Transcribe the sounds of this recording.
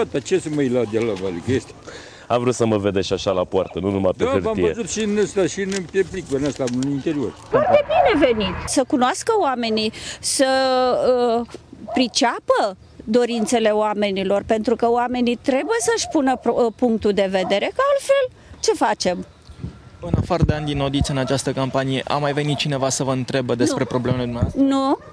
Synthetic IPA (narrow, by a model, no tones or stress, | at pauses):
at̪at͡ʃesɨməjlad̪alavaliɡest̪ | amvɾut̪səməved̪eʃaʃalapoa̰rt̪ənunumajp̪eaɨɾamiəezut̪ʃiɨnəst̪aʃiɨnɨpepliklənast̪aɨnint̪eɾio̰rfard̪e̞bine̞ve̞nit̪səkunoaskəoame̞nisə | pɾit͡ʃapə | d̪o̞ɾint̪se̞le̞oame̞nilo̞rpe̞nt̪ɾukəoame̞nit̪ɾe̞bujesəʃʲpunəpuŋk̚t̪uld̪e̞ve̞d̪e̞ɾe̞kaalfe̞l | t͡ʃe̞fat͡ʃe̞m | ɨnafaɾəd̪eand̪inod̪it̪sɨnat͡ʃast̪əkampanije̞ʔa̰mːajve̞nit̪̚t͡ʃine̞vasəvəɨnt̪ɾe̞bəd̪e̞spɾe̞pɾo̞blemeled̪umnenu